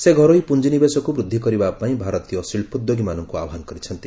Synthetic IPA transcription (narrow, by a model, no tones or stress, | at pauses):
seɡʱɔɾɔipund͡ʒinibesɔkubɾud̪ʱːikɔɾibapaĩbʱaɾɔt̪ijɔsiɭpud̪joɡimanɔŋkuabɔɦanɔkɔɾit͡ʃʰɔnt̪i